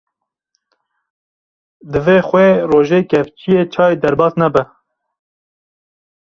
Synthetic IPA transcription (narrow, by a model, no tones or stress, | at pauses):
d̪ɨveːxʷeːroːʒeːkɛft͡ʃʰijeːt͡ʃʰɑːed̪ɛɾbɑːsnɛbɛ